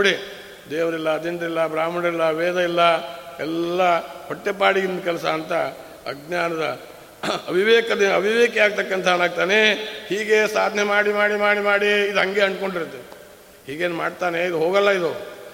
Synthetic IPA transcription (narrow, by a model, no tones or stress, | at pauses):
oɽi | d̪eːʋɐɾilːɐːd̪iɳʈɐɾilːɐbɾaːmɐnɐilːɐʋeːd̪ɐilːɐɛlːɐhɔʈːepaːɽiɡind̪kɛlɐsɐːnt̪ɐ | ɐ̰ɡnaːnɐd̪ɐ | ɐbʱiʋeːkɐd̪eɐbʱiʋeːkeaːɡ̚t̪ɐkːɐnt̪ʰɐnaːɡ̚t̪aːnehiːɡe̞saːd̪ʱnemaːɽimaːɽimaːɽimaːɽiːd̪ɦɐŋɡeɐɳɖko̞ɳɖiɾɐt̪ːe | hiːɡeːnma̰ːɽt̪aːneid̪uɦoːɡɐlːɐid̪u